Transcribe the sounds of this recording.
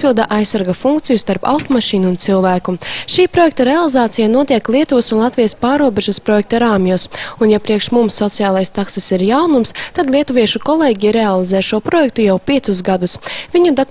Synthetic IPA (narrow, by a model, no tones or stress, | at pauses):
pilˠd̪aʔajsːaɾɡafuŋk̚t̪sijust̪aɾpa̰wt̪ɔmaʃiːnuːnt̪silˠvæːkuʃiːpɾɔjɛk̚t̪aɾealˠizaːt̪sijanuɔt̪iɛklʲˠiɛt̪uvsunlˠat̪vʲijaspaːɾuɔbeʒuspɾɔjɛk̚t̪aɾaːmjusunjapɾiɛkʃmumsːɔt̪sijaːlˠajst̪aksisiɾjawnumst̪ad̪lʲˠiɛt̪uviɛʃukɔlˠeːɡʲiɾealˠizɛːʃuɔpɾɔjɛk̚t̪ujawpʲiɛt̪susɡad̪usvʲiɲud̪a